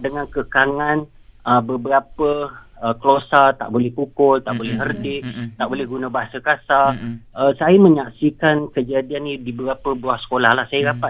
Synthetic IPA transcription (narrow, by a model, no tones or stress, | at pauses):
dəŋãnkəkaŋan | əbəbəɾapəəkəlosat̪a̰ʔbolɛhpukʊlt̪aʔbolɛhɦərdɪʔt̪aʔbolɛhɡunãbaɦasəkasaəsajamə̃ɲaksikankəd͡ʒadianidibəɾapəbuahsə̥kolahlahsajaɾapa